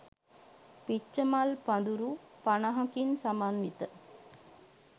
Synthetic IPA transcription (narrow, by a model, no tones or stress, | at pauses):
pit͡ʃːəmalpad̪uɾu | panaɦɐkinsamanʋit̪ə